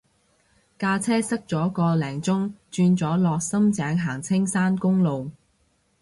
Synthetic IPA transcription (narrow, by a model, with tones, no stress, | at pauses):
kaː˧t͡sʰɛː˥sɐ˥k̚t͡sɔː˨˥kɔː˧lɛː˨˩ŋt͡sʊ˥ŋt͡ʃyː˧nt͡sɔː˨˥lɔː˨k̚sɐ˥mt͡sɛː˨˥ŋɦaː˨˩ŋt͡sʰɪ˥ŋsaː˥nkʊ˥ŋlo˨w